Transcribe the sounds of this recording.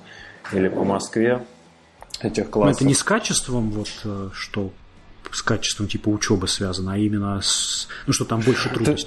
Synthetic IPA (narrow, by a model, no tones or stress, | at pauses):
ilʲɪpəmɐskvʲe | ɛtʲɪxklˠaɛt̪ənʲɪskat͡ɕɪst̪vəmvo̞t̪əʂt̪o̞ | skat͡ɕɪ̥st̪vəmtʲipəʊt͡ɕo̞bɨsvʲazənəɐimʲɪnːəsnuʂt̪o̞t̪ambo̞lʲʂɨt̪ɾud̪əsʲ